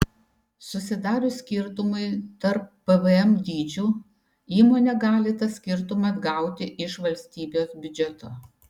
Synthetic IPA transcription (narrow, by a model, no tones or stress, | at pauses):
sʊsʲɪd̪ɑːɾʲʊsʲkʲɪɾt̪ʊmɐɪt̪ɐɾpːɛʋəɛmd̪ʲiːd͡ʒʲuː | iːmoːnʲɛɡɑːlʲɪt̪ɐsʲkʲɪɾt̪ʊmɐd̪ɡɐˑʊt̪ʲɪʔɪʃʋɐlʲsʲt̪ʲiːbʲoːsbʲʊd͡ʒʲɛt̪oː